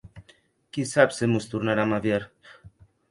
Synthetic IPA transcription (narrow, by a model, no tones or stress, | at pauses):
kisapsemust̪uɾnaɾamaβjaɾ